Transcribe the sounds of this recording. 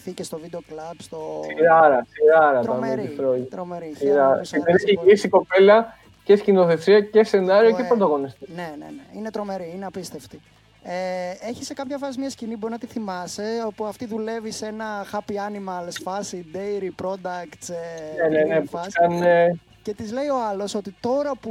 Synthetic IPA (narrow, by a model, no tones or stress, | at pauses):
ficest̪o̞vid̪eoklɐbst̪osiɾɐɾɐsiɾɐɾɐt̪ɐmeiθɾoɾomeɾisiɾɐɾ̰simeɾiçeisiko̞pe̞lɐ | cescino̞θe̞siɐce̞se̞nɐɾioepond̪ɐɣo̞nist̪inenḛneinet̪ɾome̞ɾiineɐpist̪e̞ft̪i | eeçisekɐpçɐfɐsimɲɐscinibo̞ɾinɐt̪iθimɐse̞opuɐft̪iðule̞visenɐxɐpiɐnimɐɐlesfɐsid̪ejɾipɾo̞d̪ɐkt̪senenenefɐsɐne | ce̞t̪izle̞io̞ɐlo̞so̞t̪it̪o̞ɾɐpu